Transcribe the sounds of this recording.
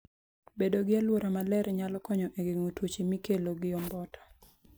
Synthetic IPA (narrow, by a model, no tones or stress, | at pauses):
bedoɡɪalwoɾamalɛɾɲalɔkɔɲɔʔeɡeŋotwot͡ʃemikeloɡɪɔmbɔtʰḁ